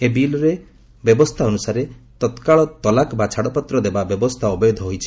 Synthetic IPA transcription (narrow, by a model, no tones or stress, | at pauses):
ebilɔɾe | bjɔbɔst̪ʰaɔnusaɾet̪ɔt̪kaɭɔt̪ɔlakbat͡ʃʰaɽɔpɔt̪ɾɔd̪ebabjɔbɔst̪ʰaɔbjɔd̪ʱɔɦojt͡ʃʰi̥